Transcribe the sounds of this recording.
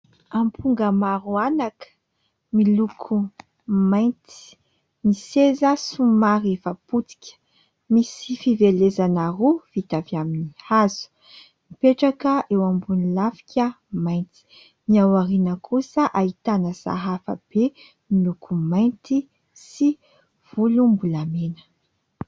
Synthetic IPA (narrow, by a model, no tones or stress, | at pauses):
ampʰuŋɡəmaɾuanakə̥ | milukʰu | majnt̪i̥ | misezəsumaɾefaput͡si̥kʲə̥ | misifivelezanaruvit̪aviaminihaz̥u̥ | mipeʈ͡ʂakəʔewambunilafi̥kʲʰə | majnt̪i̥ | niawaɾinəkʰusəʔaɦit̪anəsa̰ɦafə̰b̥e | milukʰumajnt̪i | si | v̥ulumbulamenə̥